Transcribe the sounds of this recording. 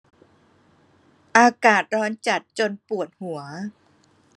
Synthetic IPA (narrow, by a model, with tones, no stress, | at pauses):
ʔaː˧kaː˨˩t̪̚ɾɔː˦˥nt͡ɕa˨˩t̪̚t͡ɕo˧npu˨˩ət̪̚hu˨˩˦ɐ